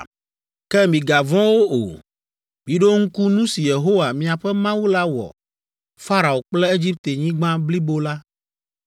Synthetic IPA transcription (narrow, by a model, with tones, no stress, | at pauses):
kɛ˦mĩ˨ɡa˨vɔ̃˦wo˦ʔo̰˨ | mĩ˨ɖo˦ŋ̩˦ku˦nũ˦si˨je˨ɦo˦wa˨mĩ˨a˨ɸɛ˦mã˦wu˦la˦wɔ̰˨ | fa˦ɾa˨o˨k͡plɛ˦e˦d͡ʑi˦p̚t̪e˨ɲĩ˦ɡ͡bã˦bli˦bo˦la˦